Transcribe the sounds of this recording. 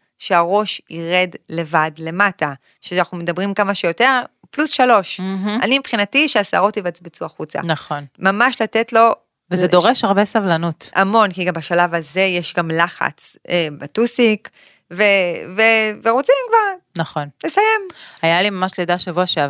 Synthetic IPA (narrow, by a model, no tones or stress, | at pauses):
ʃeaʁo̞ʃiʁe̞dle̞vadle̞mata | ʃeanaχumedabʁimkamaʃejo̞te̞ʁ | plusʃalo̞ʃ̩a̰nimipχinatiʃeasa̰ʁotivat͡sbit͡suaχut͡sa̰naχonmamaʃlatetlo̞ | vezedo̞ʁeʃaʁbesavlanutʔamo̞nkiɡambaʃalavaze̞jeʃɡamlaχa̰t͡sebatusik | veveveʁot͡simkvaʁnɐχo̞nlesajemajalimamaʃledaʃevoaʃe